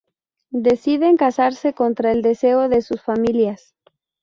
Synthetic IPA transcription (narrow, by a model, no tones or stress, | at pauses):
d̪e̞siðe̞ŋkasaɾse̞ko̞nt̪ɾae̞ld̪e̞se̞o̞ðe̞susfamiljas